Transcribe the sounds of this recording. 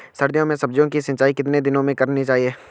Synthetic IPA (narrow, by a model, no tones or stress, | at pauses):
sɐɾd̪ijõmẽsɐb̚d͡ʒjõkisɐ̃nt͡ʃaːikɪt̪ned̪ɪnõmẽkɐɾnit͡ʃaːɦieː